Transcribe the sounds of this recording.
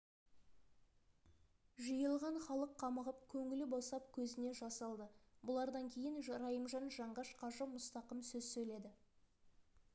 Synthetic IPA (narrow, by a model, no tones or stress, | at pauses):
ʒəjəlˠʁɑɴχɑlˠəqʰːɑməʁəp̚kʲʰɵŋɪlɪbosɑp̚kʲʰɵzɪne̞ʒɑsɑlˠd̪əbʊlˠɑɾd̪ɑŋkʲʰe̞jɪnɾɑjəmʒɑnʒɑɴʁɑʃqʰɑʒəmʊst̪ɑqəmsɵzsɵjle̞d̪ɪ